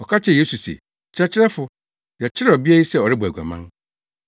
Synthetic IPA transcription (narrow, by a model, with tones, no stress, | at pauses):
ɔ˨kʰa˦t͡ɕʰɛ˨je˦su˨sɛ̰˨ | t͡ɕʰɪ˦ɾɛ˦t͡ɕʰɪ˦ɾɛ˦fʊ˨ | jɛ˨t͡ɕʰɪ˦ɾɛ˦˨ɔ˨bi˦æ˦ji˦sɛ˦ɔ˨ɾɪ˦bɔ˨ɡʷa̰˨mã̰˦n